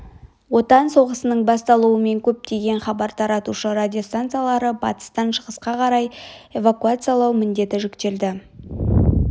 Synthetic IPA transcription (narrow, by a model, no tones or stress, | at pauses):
wo̞t̪ɑnso̞ʁəsənəɴbɑst̪ɑlˠuəme̞ŋkʲʰɵp̚t̪e̞ɡʲe̞nχɑbɑɾt̪ʰɑɾɑt̪uʃəɾad̪ʲio̞st̪ant̪sɨjalˠɑɾəbɑ̰t̪ə̥st̪ɑnʃəʁəsqɑqʰɑɾɑje̞vakuat̪sɨjalˠɑwmɪnd̪e̞t̪ɪʒʏkt̪e̞ld̪ɪ